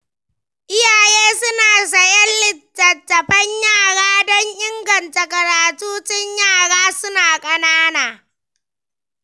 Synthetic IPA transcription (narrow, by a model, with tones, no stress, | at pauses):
ʔɪ˦jaː˨jeː˦sʊ˦naː˨s̬ɐ˨jɐ˦nlɪ˨tːɐ˨tːɐ˨ɸɐ˦ɲjaː˦˨ɽaː˦dɔ˦ɲʔɪ˦ŋɡɐ˨ntɐ˨kɐ˨ɾaː˨tuː˦t͡ʃɪ˦ɲjaː˦˨ɽaː˦sʊ˦naː˨kʼɐ˦naː˦naː˨